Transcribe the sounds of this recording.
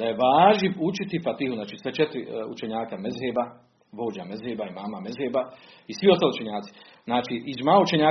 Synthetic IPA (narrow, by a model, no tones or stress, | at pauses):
d̪ajeʋaːʒniut͡ʃit̪ifat̪ihuznaːt͡ʃisʋet͡ʃet̪ɾiṵt͡ʃeɲaːkamezɦeːba | ʋo̞ːd͡ʒamezheːbaimaːmamezɦeːba | isʋio̞st̪aːliut͡ʃe̞ɲaːt̪si̥ | znaːt͡ʃiiʒmaːut͡ʃe̞ɲaː